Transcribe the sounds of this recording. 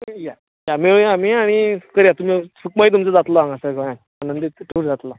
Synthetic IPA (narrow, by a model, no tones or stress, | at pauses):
ja | jameɭamiaɽ̃ikəɾjat̪um̤isukmait̪̬umt͡səd͡zat̪lɔãŋɡasəɡʱəjãn | anənd̪iʈʰuɾd͡zat̪la